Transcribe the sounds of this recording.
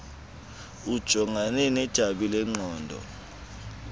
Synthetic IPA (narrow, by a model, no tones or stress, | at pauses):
ud̥ʒ̥ʱɔŋʱanɛnɛd̥ʒ̥ʱaɓilɛŋ͡ǃɔːndʱɔ̰